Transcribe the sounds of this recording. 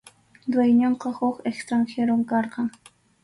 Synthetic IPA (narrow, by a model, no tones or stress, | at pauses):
d̪wajɲoɴqɑhʊkekst̪ɾaŋxeɾomkɑɾqɑŋ